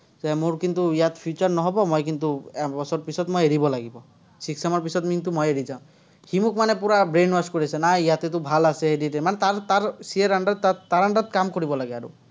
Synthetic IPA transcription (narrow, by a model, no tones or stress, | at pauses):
zɛmuɾkint̪uijat̪pʰjut͡ʃɔɾnɔɦɔbɔmɔjk̬int̪ubɔsɔɾpisɔt̪mɔjeɾibɔlaɡibɔ | siksamɔɾpisɔt̪mint̪umɔjeɾid͡ʒaw̃ | himukmanepuɾabɾenbaskɔɾiasenaijat̪et̪ubʱalaseediɾemanɛt̪aɾt̪aɾsieɾaɳɖɔt̪at̪aɾaɳɖɔt̪kamkɔɾibɔlaɡeaɾṵ